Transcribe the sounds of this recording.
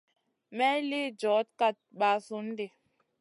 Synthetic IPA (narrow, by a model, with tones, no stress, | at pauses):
mɛ˦li˦d͡ʒɔ˨˦t̚ka˦˨t̚ɓa˨su˦n˦de˨